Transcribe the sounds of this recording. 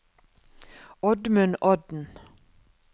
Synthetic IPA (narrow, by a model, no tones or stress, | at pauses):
ɔd̪mʉnʔɔd̪n̩